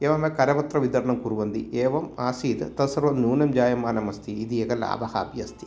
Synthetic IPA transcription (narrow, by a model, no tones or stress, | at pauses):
eːʋɐmekɐɾɐʋɐt̪ɾɐʋid̪ɐɾɐɳɐmkuɾuʋɐnd̪ḭʔeːʋɐmaːsiːd̪t̪ɐsɐɾʋɐmnuːnɐmd͡ʒaːjɐmːaːnɐmɐst̪ʰiːd̪ieɡɐlːa̰ːbɐha̰ːbjɐst̪i̥